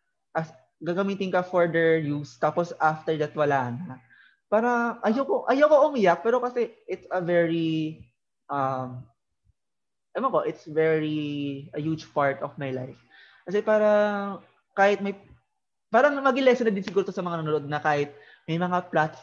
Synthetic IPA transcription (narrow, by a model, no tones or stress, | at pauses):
ʔɐs | ɡaːɡɐmiːt̪ɪnkɐfɔɹd̪ɛɹjust̪aːposʔaft̪ɛɹd̪ɐt̪wɐlaːnɐ | paːɾɐʔɐjawkoʔɐjowkoʔʊmijak̚pɛːɾo̞kɐsɛʔɪt̪sɐvɛɹi | ʔɐm | mɐnko̞ʔɪt̪svɛɹiʔɐhud͡ʒpaɹt̪ɔvmajlajf | kɐsɛpaːɾɐ | kaːhɪt̪̚mɐj | paːɾɐŋmɐɡɪlɛsɛnɐd̪ɪnsɪɡuːɾot̪osɐmɐŋanɐnoloʔod̪̚nɐkaːhɪt̪̚ | mɐjmɐŋaplat̪